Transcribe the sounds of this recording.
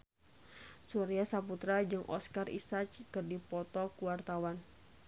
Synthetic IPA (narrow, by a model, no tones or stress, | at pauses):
suɾiasaput̪ɾad͡ʒɨŋʔɔ̰skarḭsat͡ʃkərdipɔt̪ɔkuwart̪awan